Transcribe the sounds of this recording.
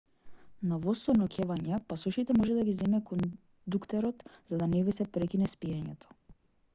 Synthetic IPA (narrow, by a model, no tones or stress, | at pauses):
navɔst̪ɔnɔkʲʰɛvaɲɛpasɔʃit̪ɛmɔʒɛd̪aɡizɛmɛkɔn | d̪ukt̪ɛɾɔt̪z̥ad̪anɛvisɛpɾɛkʲinɛspijaɲɛt̪ʰɔ̥